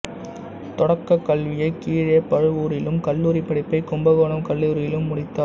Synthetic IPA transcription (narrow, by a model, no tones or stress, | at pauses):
t̪ɔɽɐkːɐkːɐlʋɪjɐɪkiːɻepɐɻɯʋuːɾɪlɯmkɐlːuːɾipːɐɽɪpːɐɪkʊmbɐɣoːnɐmkɐlːuːɾɪjɪlɯmːʊɽɪt̪ːaː